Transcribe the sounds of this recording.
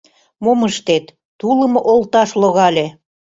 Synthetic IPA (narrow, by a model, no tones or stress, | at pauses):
moməʃt̪et̪ːulə̆moʔolt̪ɑʃloɣɑlʲe